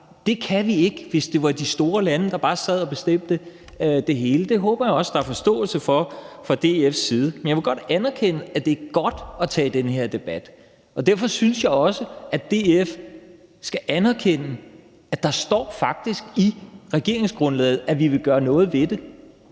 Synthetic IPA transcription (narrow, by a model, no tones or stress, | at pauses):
d̥e̝kʰæʋie̝ɡ̥ʋe̝sd̥e̝ʋɑ̈d̥isd̥o̝ːɐlænəd̥ɑ̈b̥ɑ̈ːsɛð̞̰ˠɒ̽b̥e̝sd̥em̰d̥ə | d̥e̝ɦe̝ːləd̥e̝ɦɔ̽ːb̥ɐjɑ̈ɒ̽səd̥ɑ̈æɐfɒ̽sd̥ɔ̰̽ːl̩səfɒfɑ̈d̥e̝efsiːð̞ˠəmenjɑʋe̝ɡ̥ɒ̽d̥ænɐkʰen̰əæd̥e̝æɐɡ̥ɒ̽d̥ɒ̽t͡sʰɛ̰ːd̥enəheɐ̰d̥e̝b̥æd̥ | ɒ̽d̥æɐfɒ̽synsjɑ̈ɪɒ̽səʔæd̥e̝ef | sɡ̥æʔænɐkʰen̰ə | æ̥ɑ̈sd̥ɒ̰ːfɑ̈ɡ̥̚d̥isɡ̥iʁɛɡ̥e̝ɐ̰e̝ŋsɡ̥ʁɔ̽nlɛ̰ːð̩ˠæʋiʋe̝ɡ̥ɶːɐnɔ̽ːð̞̩ˠʋe̝d̥e̝